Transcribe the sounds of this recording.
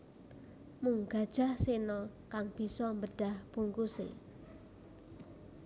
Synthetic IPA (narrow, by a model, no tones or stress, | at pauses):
muŋɡ̥a̤d̥ʒ̥a̤hsenɔ | kaŋb̥i̤sɔmbəɖ̥ahb̥uŋkusḛ